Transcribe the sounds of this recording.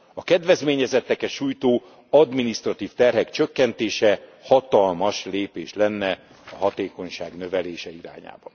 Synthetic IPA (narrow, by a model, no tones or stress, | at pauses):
ɒkɛd̪vɛzmeːɲɛzɛt̪ːɛkɛʃuːjt̪oː | ɒd̪minist̪rɒt̪iːft̪ɛrɦɛkt͡ʃøkːɛnt̪eːʃɛhɒt̪ɒlmɒʃleːpeːʃlɛnːɛ | ɒɦɒt̪eːko̞ɲʃaːɡnø̞vɛleːʃɛiɾa̰ːɲa̰ːbɒn